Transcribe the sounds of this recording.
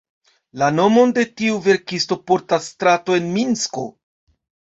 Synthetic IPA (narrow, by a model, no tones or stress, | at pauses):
lano̞mo̞nde̞tiuve̞ɾkisto̞po̞ɾtasːtɾato̞e̞nminsko̞̰